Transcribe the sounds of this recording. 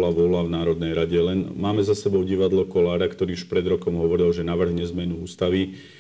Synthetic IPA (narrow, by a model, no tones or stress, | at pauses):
laʋɔlavnaːɾɔd̪nɛjɾaɟɛlɛnmaːmɛzasɛbɔʊɟiʋad̪lɔkɔlaːɾakt̪ɔɾiːuʃpɾɛd̪ɾɔkɔmɦɔʋɔɾilʒɛnaʋr̩ɦɲɛzmɛnuuːst̪aʋi